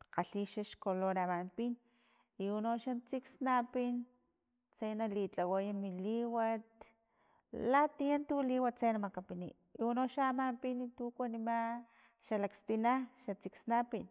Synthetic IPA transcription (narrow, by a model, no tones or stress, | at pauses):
qaɬiʃaʃkoloɾamampin | iunoʃant͡siksnapin | t͡sejnalit͡ɬawajamiliwat̪ | lat̪ijant̪uliwat͡sejnamakapinḭ | iunoʃamampinit̪ukʷanima | ʃalakst̪inaʃat͡siksnapin